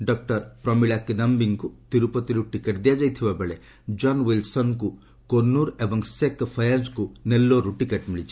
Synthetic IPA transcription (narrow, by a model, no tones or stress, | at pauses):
ɖɔkʈɔɾpɾɔmiɭakid̪ɐmbiŋkut̪iɾupɔt̪iɾuʈikeʈd̪ijad͡ʒajt̪ʰibabeɭe | d͡ʒɔnwilsɔnku | koɾnuɾebɔŋsekpʰɐjad͡ʒkunelːoɾuʈikeʈmiɭit͡ʃʰi̥